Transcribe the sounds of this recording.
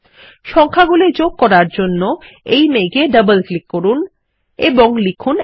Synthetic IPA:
ʃɔŋkʰaɡuled͡ʑoɡ̚kːɔɾaɾd͡ʑonːo | ejmeɡeɖəbəlklikːoɾun | eboŋlikʰun

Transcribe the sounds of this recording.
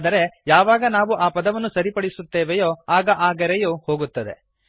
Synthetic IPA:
d̪ɐɾe̞jaːʋaːɡɐnaːʋuʔaːpɐd̪ɐʋɐnːusɐɾipɐɽisut̪ːeːʋejoːaːɡɐʔaːɡɐɾejoːho̞ːɡut̪ːɐd̪e̞̰

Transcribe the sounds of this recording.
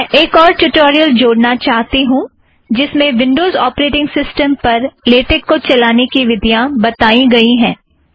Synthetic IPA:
mɛʔeːkɔːɾʈuʈɔːɾijəld͡ʒoːɽnat͡ʃaːɦt̪iɦũ | d͡ʒɪsmẽʋɪ̃ɳɖoːzɔːpɾeːʈɪ̃ŋɡsɪsʈəmpɐɾleːʈɪkːot͡ʃɐlaːnekiʋɪd̪ʱjãbɐt̪aːiɡɐiɦɛ̃ː

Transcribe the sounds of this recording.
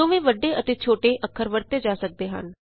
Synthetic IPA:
õːʋẽːʋəɖːeːʔət̪eːt͡ʃʰoːʈeːʔəkʰːəɾʋəɾt̪eːd͡ʒaːsək̚d̪eːɦə̰n

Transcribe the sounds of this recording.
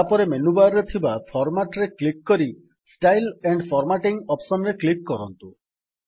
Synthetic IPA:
apɔɾemenubaɾɾet̪ʰibapʰɔɾmaʈɾeklik̚ːɔɾi | sʈajleɳɖpʰɔɾmaʈiŋɔpsɔnɾeklikːkɔɾɔnt̪u

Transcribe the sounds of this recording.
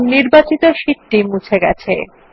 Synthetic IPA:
niɾbat͡ɕit̪oʃiʈːimut͡ɕʰeɡɛ̰t͡ɕʰḛ

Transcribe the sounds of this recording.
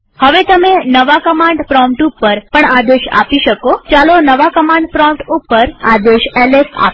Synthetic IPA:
həʋet̪əmenəʋakəmaɳɖpɾɔ̃mpʈupːəɾpəɳad̪eʃa̰piʃəkot͡ʃalonəʋakəmãɳɖpɾɔ̃mʈupːəɾad̪eʃɛlesa̰p

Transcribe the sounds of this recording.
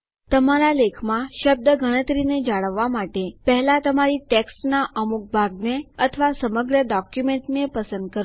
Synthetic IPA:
t̪əmaɾalekʰmãʃəb̚d̪əɡʱəɽ̃ət̪ɾined͡ʒaɭəʋːamaʈepəɦlat̪əmaɾiʈeksʈnaʔəmuk̚bʱaɡneət̪ʰəʋasəməɡɾəɖɔkjumeɳʈnepəsənd̪̚kəɾ

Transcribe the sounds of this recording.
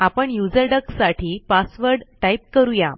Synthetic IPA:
apəɳjud͡zəɾɖəksaʈʰiːpasʋəɾɖʈajp̚kəɾuja

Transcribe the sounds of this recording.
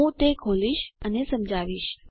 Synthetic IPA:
ũt̪ekʰoliʃənesəmd͡ʒaʋiʃ

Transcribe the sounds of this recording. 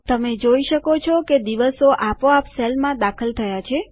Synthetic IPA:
t̪əmed͡ʒoiʃəkot͡ʃʰɔked̪iʋəsoʔapoapselmãd̪akʰəlt̪ʰəjat͡ʃʰe

